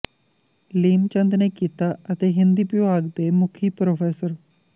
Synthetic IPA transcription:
liːmt͡ʃɐ̃nd̪nekit̪aət̪eɦɪ̃nd̪ipjoaːɡd̪emʊkʰiːpɾofeːsəɾ

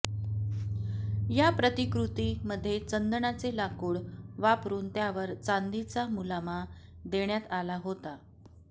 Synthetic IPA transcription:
japɾət̪ikɾut̪iməd̪ʱːjet͡sənd̪əɳat͡selakuːɭʋapɾuːnt̪jaʋəɾt͡sand̪it͡samulama | d̪eɳjat̪alaɦot̪a

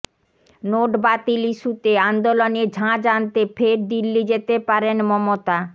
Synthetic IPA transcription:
noʈbat̪iliʃut̪eand̪oloned͡ʑʱãd͡ʑant̪efʰeɾd̪ilːid͡ʑet̪epaɾenmɔmot̪a

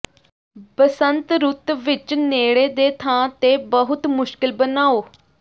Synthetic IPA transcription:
pəsənt̪ɾʊt̪ʋɪt͡ʃneːɽeːd̪eːt̪ʰãːt̪eːbəɦʊt̪mʊʃkɪlbənaːoː

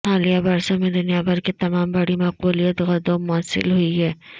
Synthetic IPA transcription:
haːlijabaːɾsamẽd̪ʊnijabɐɾket̪ɐmaːmbɐɽimɐquːlijət̪ɣɐd̪omːʊəsːɪ̰lɦʊiɦɛː

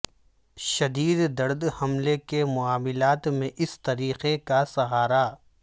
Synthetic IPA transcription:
ʃɐd̪iːd̪d̪ɐɾd̪hɐmlekemʊaːmɪlaːt̪mẽʔɪst̪ɐɾiːqekasɐɦaːɾa

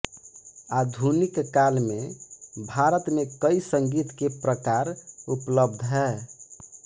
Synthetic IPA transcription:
ad̪ʱunikːalmebʱaɾət̪mekəisəŋɡit̪kepɾəkaɾupləb̚d̪ʱɦɛː

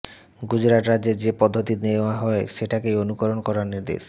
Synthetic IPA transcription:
ɡud͡ʑɾaʈɾad̪d͡ʑeɾd͡ʑepɔd̪ʱːot̪ineaɦɔeʃeʈakejonukoɾonkɔɾaɾniɾd̪ḛʃ

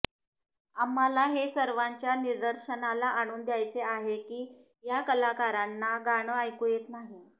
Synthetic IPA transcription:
amːalaɦesəɾʋaɲt͡ɕjaniɾd̪əɾɕənalaʔaɽ̃uːnd̪ʱjajt͡seaɦekiː | jakəlakaɾanːaɡaɽ̃əajkujet̪naɦi

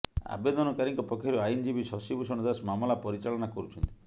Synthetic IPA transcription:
a̰bed̪ɔnɔkaɾiŋkɔpɔkʰːjɔɾuajnd͡ʒibisɔsibusɔɽ̃d̪asmamɔlapɔɾit͡ʃaɭɔnakɔɾut͡ʃʰɔnt̪i̥

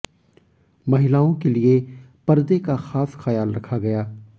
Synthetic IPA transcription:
mɐɦɪlaːõkelie | pɐɾd̪ekaxaːsxɐjaːlɾɐkʰaɡɐjaː

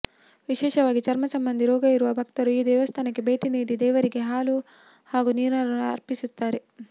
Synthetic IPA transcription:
ʋiʃɛːʃɐʋaːɡit͡ʃɐɾmɐsɐmbɐnd̪ʱiɾɔːɡɐjuɾuʋɐbʱɐkt̪ɐɾuiːd̪ɛːʋɐst̪ʰaːnɐkibʱɐjʈiniːd̪id̪ɛːʋɐɾikiɦaːlu | haːɡuniːɾnɐluɐ̰ɾpisut̪ːaːɾi

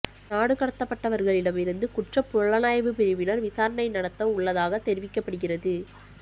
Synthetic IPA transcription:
naːɽɯkɐɽɐt̪ːɐpːɐʈːɐʋɐɾɣɐɭɪɽɐmɪɾɯnd̪ɯkʊʈrɐpːʊɭɐnaːjɐʋɯpɪɾɪʋɪnɐɾʋɪsaːɾɐnɐɪnɐɽɐt̪ːɐ̃mʊɭːɐðaːɣɐt̪ːɛɾɪʋɪkːɐpːɐɽɯɣɪrɐðɯ

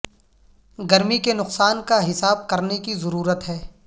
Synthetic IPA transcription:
ɡɐɾmikenʊqsaːnkaɦɪsaːb̚kɐɾnekizɐɾuːɾət̪ɦɛː

